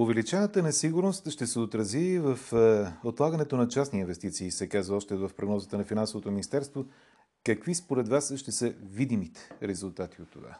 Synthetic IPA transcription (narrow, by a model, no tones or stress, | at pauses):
ovɛlit͡ʃɛnət̪ənɛsiɡʊɾnost̪ʃt̪ɛsɛot̪ɾɐzivəfot̪lˠaɡɐnɛt̪onɐt͡ʃasniːnvɛst̪it̪siːsɛkazvəɔʃt̪ɛvəfpɾoɡnɔzət̪ənɐfinansovot̪ominist̪ɛɾst̪vo | kɐkvispoɾɛd̪vasʃt̪ɛsəvid̪imit̪ɛ̥ɾɛzulˠt̪at̪iot̪ːova̰